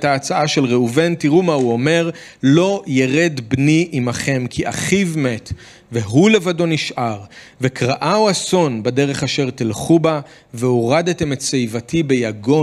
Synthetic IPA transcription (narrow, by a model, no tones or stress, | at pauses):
taːt͡saaʃe̞lʁeuve̞ntiʁumauo̞me̞ʁlo̞jeʁe̞dbniʔimaχe̞mkʰiʔa̰χivme̞t | ve̞ɦule̞vado̞niʃʔaʁ | ve̞kʁaʔawaso̞nbade̞ʁe̞χaʃe̞ʁt̪ilχuba | veoʁadate̞metsejvatʰibe̞jaɡo̞